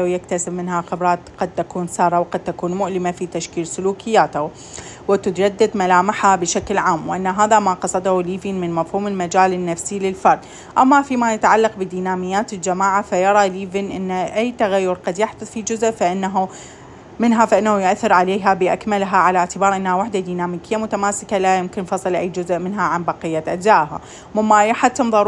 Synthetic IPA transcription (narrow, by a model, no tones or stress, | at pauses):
lawjakt̪asɪbmɪnɦaqʊbɾˤɑːt̪qɑd̪̚t̪akuːnsɑːɾˤɑwɪqɑd̪̚t̪akuːnmʊʔlɪmafit̪aʃkiːlsʊluːkɪjːaːt̪a | wɪt̪ɪt̪d͡ʒad̪ːad̪malaːmɪħabɪʃaklʕaːmwɪʔanːaɦaːðamaqɑsˤɑd̪huliːvinmɪnmafhuːmɪlmad͡ʒaːlɪnːafsilɪlfɑɾˤd̪ˤ | ʔamːafimajat̪ʕalːɑqbɪd̪iːnaːmɪjːaːt̪ɪld͡ʒamaːʕafajɑɾˤɑliːvɪnʔɪnːʔajːt̪aɣajːʊɾqɑd̪jaħd̪ʊðˤfid͡ʒʊzʔfaʔɪnːaɦu | mɪnɦafaʔɪnːahujʔaθːɪɾʕaleːɦabɪʔakmalɦaʕalaʕt̪ɪbɑːɾˤʔɪnːahawaħd̪ad̪iːnaːmiːkɪjːamʊt̪amaːsɪkalajʊmkɪnfɑsˤɨlʔajːd͡ʒʊzʔmɪnɦaʕanbɑqɪjːaʔad͡ʒzaːʔha̰ | mɪmːajaħat̪ːɪmðˤɑɾ